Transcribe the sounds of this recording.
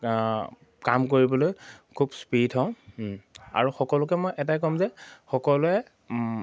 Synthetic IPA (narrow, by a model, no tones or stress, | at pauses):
kamk̬oɹibɔlojkʰubspitʰɔ̃ʊ̃ | a̰ɹuxɔkɔlʊk̬ɛmojʔɛtajkɔmzɛxɔkɔlʊɛ